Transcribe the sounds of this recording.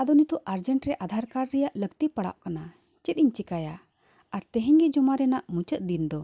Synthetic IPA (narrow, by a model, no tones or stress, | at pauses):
ad̪ɔnit̪ɔʔʔaɾd͡ʒəɳʈɾɛʔad̪ʱaɾkaɽːɛjaʔləɡt̪ipaɽa̰ʔkana | t͡ʃɛt̪̚iɲt͡ʃikaja | aɾt̪ɛɦɛɲɡɛd͡ʒɔmaɾɛnaʔmut͡ʃət̪̚d̪ind̪ɔ